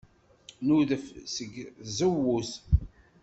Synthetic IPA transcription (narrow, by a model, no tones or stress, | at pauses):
nuðəfsəɡzəwːuθ